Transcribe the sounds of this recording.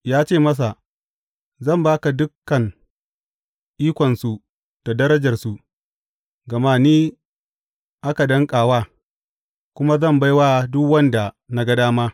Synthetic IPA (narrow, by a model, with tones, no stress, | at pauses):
jaː˦t͡ʃeː˦˨mɐ˦s̬a˨ | zɐ˦˨mbaː˦ka˨dʊ˦kːɐ˨ŋ | ʔiː˦kʷɔ˨nsu˨ | ta˨dɐ˦ɾɐ˦d͡ʒɐ˨rsu˨ | ɡɐ˨maː˦niː˦ | ʔa˦ka˨dɐ˦ŋkʼaː˨waː˦ | kʷʊ˦ma˦zɐ˦˨mba˦jwa˦dʊ˦kwɐ˦nda˨ | na˦ɡɐ˦daː˦maː˦